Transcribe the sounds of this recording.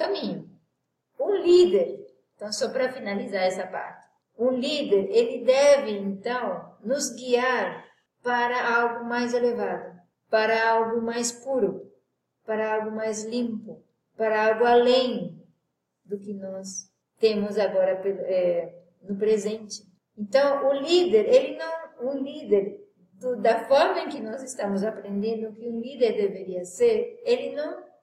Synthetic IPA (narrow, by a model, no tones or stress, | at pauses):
kɐmĩɲʊ | ũlid̪eɾeẽt̪ɐ̃w̃sɔpɾɐfinalizaɾɛsɐpa̰ɾt͡ʃɪ̥ | ũlid̪eɾelɪd̪ɛvɪẽnt̪ɐ̃w̃nʊzɡiaɾ | paɾɐawɡʊmajzelevad̪ʊ | paɾɐawɡʊmajspuɾʊ | paɾɐawɡʊmajzlĩmpʊ | paɾɐawɡʊalẽj̃ | d̪ʊkɪnɔs | t̪ẽmʊzaɡɔɾɐpeɛ | nʊpɾezẽnt͡ʃɪ̥ | ẽnt̪ɐ̃w̃ʊlid̪eɾelɪnɐ̃w̃ũlid̪eɾ | d̪ʊd̪ɐfɔɾmɐẽŋkɪnɔzest̪ãmʊzapɾẽnd̪ẽnd̪ʊːkɪũlid̪eɾd̪eveɾiɐseɾelɪnɐ̃w̃